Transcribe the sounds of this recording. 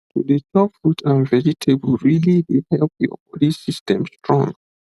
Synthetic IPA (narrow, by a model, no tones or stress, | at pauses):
tudet͡ʃɔpfɹutʰãnvɛd͡ʒitʰeblɹilidehɛlp̚jɔ̰bɔlisistɛ̃mstɹɔ̃ŋ